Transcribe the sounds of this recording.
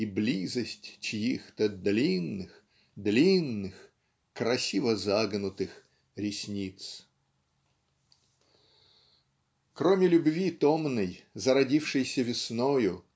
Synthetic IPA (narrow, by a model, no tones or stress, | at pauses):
iblʲizəsʲtʲt͡ɕɪjixt̪əd̪lʲinːɨx | d̪lʲinːɨx | kɾɐsʲivəzaɡnʊt̪ɨx | ɾʲɪsʲnʲit̪s | kɾomʲɪlʲʊbvʲit̪omnəjzəɾɐdʲifʂɨjsʲəvʲɪsnojʊ